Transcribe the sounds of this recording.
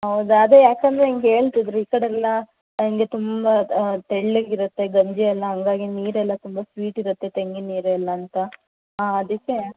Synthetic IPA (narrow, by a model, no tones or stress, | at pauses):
ɦɐwd̪uɐd̪ejaːkɐnd̪ɾeiŋɡɦe̞ːɭt̪id̪ɾuiːkɐɽeɛlːɐ | iŋɡe̞t̪umbɐt̪eɭlːeɡiɾɐt̪ːe̞ɡɐɲd͡ʒiɛlːɐɦɐŋɡaːɡiniːɾɛlːɐt̪umbɐsʋiːʈiɾɐt̪ːe̞t̪eŋɡiniːɾuɛlːɐːnt̪ɐ | aɐd̪ikːe̞